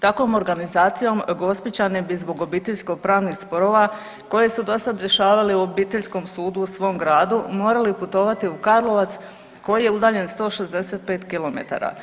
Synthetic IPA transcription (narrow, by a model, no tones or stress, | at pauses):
t̪akʋo̞mo̞ɾɡanizaːt̪sijo̞mɡo̞spit͡ɕanebizbo̞ɡo̞biːt̪e̞ʎʲsko̞ɡ̚pɾaːʋnixspo̞ɾo̞ʋa | ko̞je̞sud̪o̞sad̪ɾje̞ʃaːʋaleuobiːt̪e̞ʎsko̞msuːd̪uːsʋo̞mɡɾaːd̪umo̞ːɾaliput̪o̞ːʋat̪iukaɾlˠo̞ʋat̪s | ko̞jije̞ud̪aːʎe̞nst̪o̞ːʃe̞zd̪e̞se̞t̪̚pe̞ːt̪kilo̞mḛt̪a̰ɾa̰